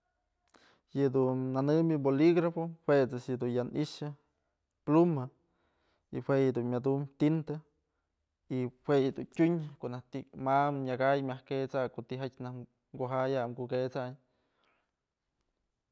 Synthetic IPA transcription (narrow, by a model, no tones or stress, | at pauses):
jɨd̪unːanɨmɨboliɡɾafohwet͡sɨsjɨd̪unjanḭʃɨ | pluma | ihweʔjɨd̪unmʲad̪umt̪int̪e | ihwejɨd̪untʲuɲkoʔnaht̪imamɲaɡajmʲahket͡sakot̪iɦat͡ʃʲnah | ŋɡoɦajaɡuket͡saɲ